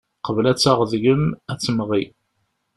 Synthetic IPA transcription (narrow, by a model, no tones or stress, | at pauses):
qəvlæt͡sːaʁðʝəmæt͡sːəmʁi